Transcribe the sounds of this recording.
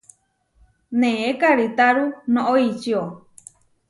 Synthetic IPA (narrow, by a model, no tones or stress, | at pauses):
nẽekaɾit̪aɾunõʔoit͡ʃio